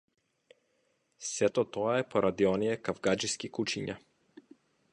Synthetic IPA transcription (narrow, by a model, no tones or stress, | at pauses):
sɛt̪ɔt̪ɔaɛpɔɾʔad̪iɔnijɛkavɡad͡ʒiskikut͡ʃiɲa